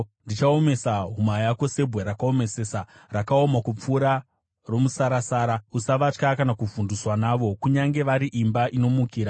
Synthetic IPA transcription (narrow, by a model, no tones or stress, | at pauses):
ndit͡ʃaome̞saɦumajako̞se̞bʱweɾakao̞me̞seːsarakao̞makup͡fuːɾa | ro̞musaɾasaːɾausaʋat͡ʃkakanakuvunduswanaːʋo̞kuɲaŋɡe̞ʋaɾiʔimbaʔino̞mukiːɾa